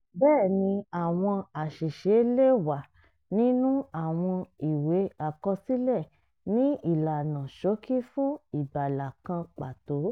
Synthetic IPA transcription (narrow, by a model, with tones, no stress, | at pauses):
bɛː˦˨nĩ˧a˨w̃ɔ̃˧a˨ʃe˨ʃe˨˦le˦˨wa˨ | nĩ˦nũ˦a˦˨w̃ɔ̃˧i˨we˨˦a˨kɔ˧si˦lɛ˦˨ | nĩ˨˦i˦˨la˨nã˨ʃo˨˦ki˦fũ˦i˨ba˨la˨kã˧k͡pa˨to˨˦